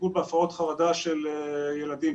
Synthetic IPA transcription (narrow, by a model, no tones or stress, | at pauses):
ulbeafaʁot̪χavad̪aʃelejelad̪im